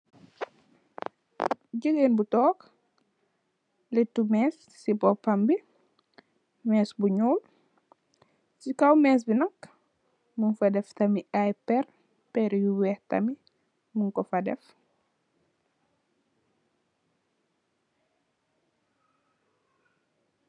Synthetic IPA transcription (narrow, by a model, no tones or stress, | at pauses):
ɟəɡeːnbutɔːk | litːumɛːsːibɔpɐmbi | mɛːsbuɲɔːm | sikɐwmɛːs̬binɐk | munfɐdɛftɐmiʔajpɛr | pɛɾjuwɛːhtɐ̰mi | muŋkɔfɐdɛ̰f